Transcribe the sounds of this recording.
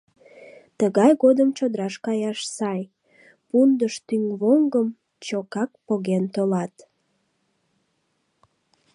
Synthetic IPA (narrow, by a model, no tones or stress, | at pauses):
t̪əɣɑjɣod̪əmt͡ɕod̪əɾɑʃkɑjɑʃsɑj | pund̪əʃt̪yŋβoŋɡəm | t͡ɕokɑk̚poɣent̪olɑt̪